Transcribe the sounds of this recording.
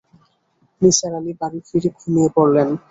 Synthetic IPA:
niʃaɾamibaɾifʰiɾikʰumijepoɾlen

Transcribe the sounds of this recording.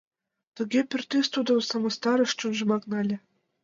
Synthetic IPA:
t̪ɘ̆ɡʲepʲɘ̆rʲt̪ʲisʲt̪ud̪ɤ̆msɑmɤ̆st̪ɑɾɤ̆ʃt͡ɕunʒɤ̆mɑknɑlʲɘ̆

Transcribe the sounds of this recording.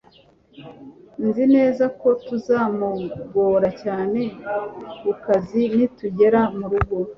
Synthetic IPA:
nzine̞ːzako̞tuzaːmuɡo̞ːɾacaːne̞kukazinituɟe̞ɾamuɾuɡo̞

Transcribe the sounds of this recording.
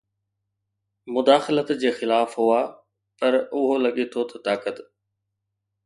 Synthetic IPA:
mʊd̪aːxɪlət̪d͡ʑeːxɪlaːfɦʊaː | pɐɾʊɦolɐɠet̪ʰot̪ʰɐt̪aːkət̪

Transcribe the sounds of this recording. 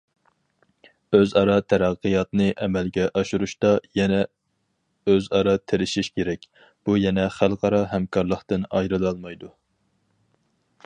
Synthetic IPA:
øzɑɾɑt̪ʰæɾæqːɨjɑt̪nɨʔɛmɛlɡʲɛʔɑʃuɾuʃt̪ɑjɛnɛ | øzɑɾɑt̪ʰeɾɪʃiʃkʲʰeɾɛkʲ | b̥ujɛnɛχælˠqɑɾɑɦɛmkʰɑɾlˠəχt̪ɨnɑ̰jɾɨlˠɑlˠmɑjd̪u

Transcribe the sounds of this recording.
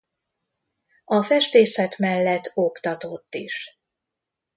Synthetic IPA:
ɒfɛʃt̪eːsɛt̪mɛlːɛt̪ːo̞kt̪ɒt̪o̞t̪ːiʃ

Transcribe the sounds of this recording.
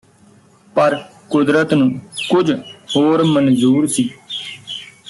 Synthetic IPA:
pəɾkʊd̪ɾət̪nũːkʊd͡ʒhoːɾmənzuːɾsiː

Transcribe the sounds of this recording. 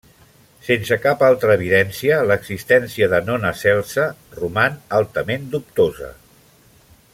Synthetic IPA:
sensəkapalˠt̪ɾəːβ̞iðɛnsiələɡzist̪ɛnsiəðənonəsɛlˠsərumanalˠt̪əmend̪up̚t̪ozə̰

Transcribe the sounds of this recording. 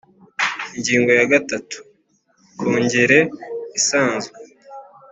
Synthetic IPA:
iɲɟiːŋɡo̞jaɡatatu̥ | kʰoːɲɟe̞ɾe̞isaːnzw

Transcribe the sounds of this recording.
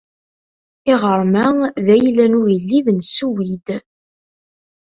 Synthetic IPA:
ɪʁəɾˤmæðæjlænujəlːiðnsuwid̪

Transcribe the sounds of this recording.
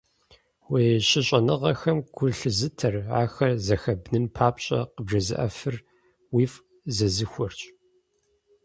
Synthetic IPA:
weːɕɪɕʼɐnɨʁɐxɐmɡ̥ʷʊɬɨzɨtʰɐra̰ːxɐrzɐxɐbnɨnpʰaːpɕʼɐ̰qəbʒɐzɨ̰ʔɐfɨr | wiːf | zɐzɨxʷɔrt͡ʃʼ

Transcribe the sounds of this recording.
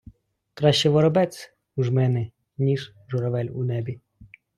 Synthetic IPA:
kɾɑʃt͡ʃɛʋɔɾɔbɛt͡sʲ | uʒmɛnɛ | nʲiʒ | ʒɔɾɔʋɛlʲṵnɛbʲi

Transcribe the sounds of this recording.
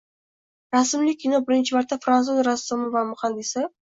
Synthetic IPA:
ɾasmlɪinobɪɾɪnt͡ʃʰɪmaɾt̪ʰːafɾanuzɾasːomɪvamʊχanːɪsɪ

